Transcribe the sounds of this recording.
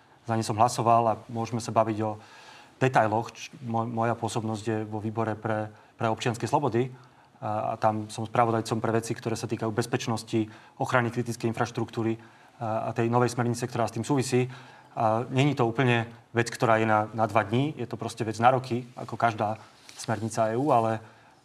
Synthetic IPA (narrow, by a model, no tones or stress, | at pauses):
zaɲimsɔmɦlasɔʋalamʊɔʒmɛsabaʋiɟɔd̪̥ɛt̪ajlɔxmɔmɔjapʊɔsɔbnɔzɟjɛʋɔʋiːbɔɾɛpɾɛ | pɾɛɔp̚t͡ʃɪanskɛjslɔbɔd̪i | a̰t̪amsɔmspɾaʋɔd̪ajt͡sɔmpɾɛʋɛt͡sikt̪ɔɾɛːsat̪iːkajuːbɛspɛt͡ʃnɔsci | ɔxɾanikɾit̪it͡skɛjinfɾaʃt̪ɾukt̪uːɾi | a̰t̪ɛjnɔʋɛjsmɛɾɲit͡sɛk̚t̪ɔɾaːst̪iːmsuːʋisiː | aɲɛɲit̪ɔuːpl̩ɲɛʋɛt͡skt̪ɔɾaːjɛnanad̪ʋad̪ɲijɛt̪ɔpɾɔscɛʋɛd͡znaɾɔkia̰kɔkaʒd̪aː | smɛɾɲit͡saɛːuːalɛ